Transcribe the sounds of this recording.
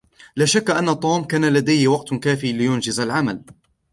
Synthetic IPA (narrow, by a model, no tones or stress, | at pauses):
laːʃakːaʔanːat̪ˤuːmkaːnalad̪ajhɪwɑqt̪kaːfiːlɪjʊnd͡ʒɪzalʕamal